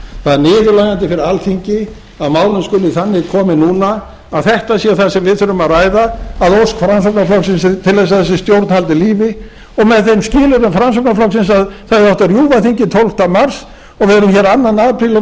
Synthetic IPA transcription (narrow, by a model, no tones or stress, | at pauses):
θaðnɪːðʏlaːjant̪ɪfɪɾɪalθiɲcɪ | aðmaːwlʏnskʏlɪθanːɪɣkʰɔːmɪnuːna | aðθɛht̪asɛθasɛmvɪðθʏɾʏmaðraːjðaːðowskfɾamsɔkpnaflɔksɪnst̪ʰɪlvɛjs̬aðθɛsːɪst̪jowɾt̪nhalt̪ɪliːvɪ | ɔɣmɛðθejnscɪːlʏɾʏmfɾams̬ɔp̚naflɔksɪns̬aðθaɛɾɔht̪arjuːvaθiɲcɪt̪ʰowlft̪amaɾ̥s | ɔɣvɪɛɾʏmçɛɾanːanːaːpʰɾilʏ